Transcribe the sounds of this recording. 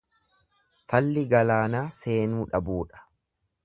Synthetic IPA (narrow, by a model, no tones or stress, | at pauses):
fɐlːɪɡɐlaːnaːse̞ːnuːᶑɐbuːᶑɐ̥